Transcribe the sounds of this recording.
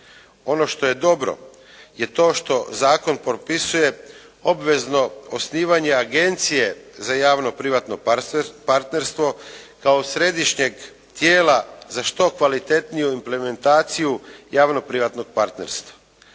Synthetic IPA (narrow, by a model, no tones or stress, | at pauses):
o̞no̞ʃt̪o̞je̞d̪o̞bɾo̰ | je̞t̪o̞ːʃt̪o̞zaːko̞npopisuje̞ | o̞bʋe̞zno̞osniːʋaɲe̞aɡe̞nt̪sije̞zajaːʋno̞pɾiʋat̪no̞paɾt̪ne̞ɾst̪ʋo̞kaosɾe̞d̪iʃɲe̞ɡ | t̪jeːlazaʃt̪o̞kʋalit̪e̞t̪nijuimple̞me̞nt̪aːt̪sijujaːʋno̞pɾiʋat̪no̞ɡ̚paɾt̪ne̞̰ɾst̪ʋḁ